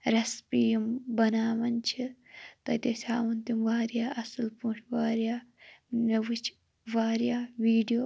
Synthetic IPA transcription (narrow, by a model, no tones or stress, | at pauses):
ɾɐspijɐmbɐnaːʋɐnt͡ʃʰit̪ɐt̪esʰʲaːwɐnt̪imʋaːɾijaːʔɐsɨlpuːʈʰʋaːɾijaːmeʋut͡ʃʰ | ʋaːɾijaːʋiːɖijoː